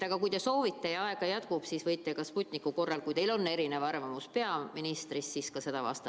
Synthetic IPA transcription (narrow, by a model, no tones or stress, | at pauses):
t̪ɑɡ̥ɑkujt̪e̞so̞ːvit̪ːˑejɑɑeɡ̥ɑjɑt̪kub̥siːsvɤjt̪ːekɑsput̪ʲˑnikːˑuko̞rːɑlkujt̪e̞jlo̞nːe̞ɾine̞vɑrvɑmuspe̞ɑminist̪risːiskɑse̞d̪ɑvɑ̰st̪ɑ